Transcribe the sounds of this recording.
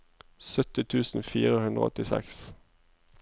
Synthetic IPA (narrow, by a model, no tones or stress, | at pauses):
sœt̪ɪt̪ʰʉːsn̩fḭːʁəhʉnd̪ʁə̰ɔ̰t̪ɪsɛ̰ks